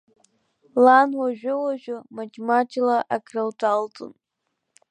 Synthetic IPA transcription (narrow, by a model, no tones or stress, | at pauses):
lanwaʒʷᶣʊwaʒʷᶣʊmad͡ʒmat͡ʃʰʼlaʔakrawtʰʼaltʼʊ̰n